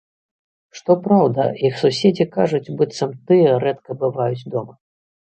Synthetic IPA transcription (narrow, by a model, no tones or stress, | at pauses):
ʂt̪ɔpɾawd̪ɐ̰ixsusʲed͡zʲikaʐut͡sʲbɨt̪sɐmt̪ɨjɐɾɛt̪kɐbɨvajut͡sʲd̪ɔmɐ